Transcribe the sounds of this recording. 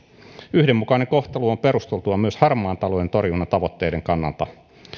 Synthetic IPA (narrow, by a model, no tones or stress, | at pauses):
yhdemːukɑjneŋko̞ht̪eluompe̞ɾust̪elt̪uɑmyøshɑrmˑɑːnt̪ɑlojent̪o̞rjunːɑt̪ɑʋo̞t̪ːe̞ːjde̞ŋkɑnːɑ̰lt̪ɑ̰